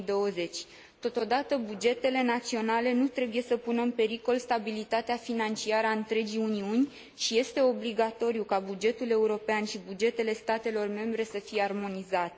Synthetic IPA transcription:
d̪o̞əze̞t͡ʃʲ | t̪o̞t̪o̞d̪at̪əbud͡ʒe̞t̪e̞le̞nat̪sio̞nale̞nut̪ɾe̞buje̞səpunəɨnpe̞ɾiko̞lst̪abilit̪at̪eafinant͡ʃiaɾəaɨnt̪ɾe̞d͡ʒijuniunʲ | ʃije̞st̪e̞o̞bliɡat̪o̞ɾijukabud͡ʒe̞t̪ule̞uɾo̞peanʃibud͡ʒe̞t̪e̞le̞st̪at̪e̞lo̞rme̞mbɾe̞səfije̞armo̞nizat̪e

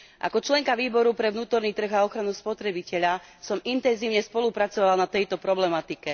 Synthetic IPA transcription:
ʔa̰kɔt͡ʃlɛŋkaʋiːbɔɾupɾɛʋnuːt̪ɔɾniːt̪r̩ɣaɔxɾanuspɔt̪ɾɛbicɛʎasɔmint̪ɛnziːʊɲɛspɔlupɾat͡sɔʋalnat̪ɛjt̪ɔpɾɔblɛmat̪ikɛ

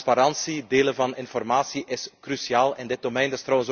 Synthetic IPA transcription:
spaɾɑnsideːlənvɑnɪnfɔrmaːsiʔɪskrysiaːlˠɛndɪt̚domɛjndɪst̪rɔwəns

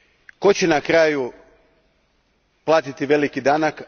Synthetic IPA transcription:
ko̞t͡ɕenakɾaːju | plˠaːt̪it̪iʋe̞likid̪aːnak

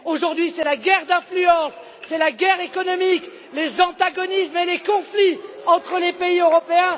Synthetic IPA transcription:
oʒuʁd̪ɥisɛlaɡʲɛʁd̪ɛ̃flyɑ̃sː | ɛlaɡɛʁekɔnɔmik | lezɑ̃t̪aɡɔnismelekɔ̃fliɑ̃t̪χəlepeiøʁɔpeɛ̃

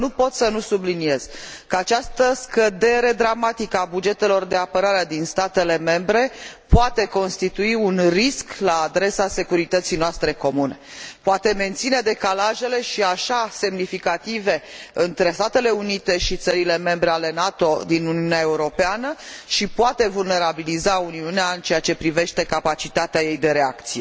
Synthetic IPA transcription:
nupo̞t̪sənusublinie̞z̥kəat͡ʃast̪əskəd̪e̞ɾe̞d̪ɾamat̪ikəabud͡ʒe̞t̪e̞lo̞rd̪e̞apəɾaɾed̪inst̪at̪e̞le̞me̞mbɾe̞poat̪e̞ko̞nst̪it̪uiunrisklaːd̪ɾe̞sase̞kuɾit̪ət̪sijnoast̪ɾe̞ko̞mune̞poat̪e̞me̞nt̪sine̞d̪e̞kalaʒe̞le̞ʃiaʃase̞mnifikat̪ive̞ɨnt̪ɾe̞st̪at̪e̞le̞unit̪e̞ʃit̪səɾile̞me̞mbɾe̞ale̞nat̪o̞d̪inuniuneae̞uɾo̞peanəʃipoat̪e̞vulne̞ɾabilizauniuneaɨnt͡ʃejat͡ʃe̞pɾive̞ʃt̪e̞kapat͡ʃit̪at̪eaje̞jd̪e̞ɾe̞a̰kt̪sije

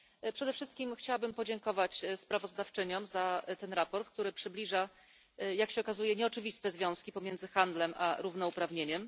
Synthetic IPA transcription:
pʂɛd̪ɛfʂɘst̪kʲimxt͡ɕawabɘmpɔd͡ʑɛŋkɔvat͡ɕspɾavɔzd̪aft͡ʂɘɲɔmzat̪ɛnɾapɔɾt̪̚k̚t̪uɾɘpʂɘblʲiʐa | jakɕɛɔkazujɛɲɛɔt͡ʂɘvʲist̪ɛzvʲjɔ̃w̃skʲipɔmʲjɛnd̪zɘxand̪lɛmʔa̰ɾuvnɔupɾavɲeɲɛm

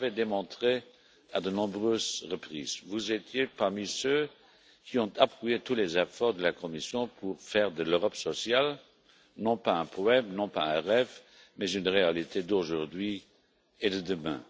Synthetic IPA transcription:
vɛd̪emɔ̃t̪χe | ad̪ənɔ̃bʁøːzʁəpχḭːzvuzet̪ʰjepaʁmisø | kʰiɔ̃t̪ʰapχuet̪ulɛzɛfɔʁd̪əlakʰɔmisjɔ̃pʰuʁfɛːʁd̪əløʁɔpsɔsjal | nɔ̃paɛ̃pʰɔɛmnɔ̃paɛ̃ʁɛv | mɛzynʁealit̪ʰed̪oʒuʁd̪ɥi | ed̪əd̪əmɛ̰̃

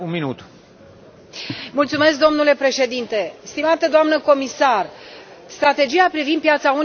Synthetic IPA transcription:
unminut̪ | mult̪sume̞sk̚d̪o̞mnule̞pɾe̞ʃe̞d̪int̪e̞st̪imat̪əd̪oamnəko̞misarst̪ɾat̪e̞d͡ʒijapɾivinpjat̪saun

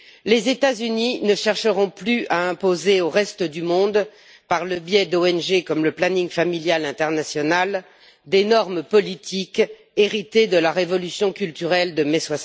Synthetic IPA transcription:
lezet̪azyninəʃɛʁʃəʁɔ̃plyaɛ̃pozeoʁɛst̪əd̪ymɔ̃d̪ | paʁləbjɛd̪oɛnʒekɔmləplanĩŋfamiljalɛ̃t̪ɛʁnasjɔnal | d̪enɔʁmpɔlit̪ʰik | eʁit̪ed̪əlaʁevɔlysjɔ̃kʲylt̪yʁɛld̪əmɛswas

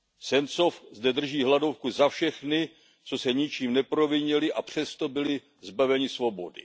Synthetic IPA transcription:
sɛnsofzdɛd̪r̩ʒiːɦladofkuzafʃɛxnɪ | t͡so̞sɛɲɪt͡ʃiːmnɛpɾo̞vɪɲɛlɪʔapr̝̥ɛst̪o̞bɪlɪ | zbavɛɲɪsvo̞bo̞̰dɪ̰

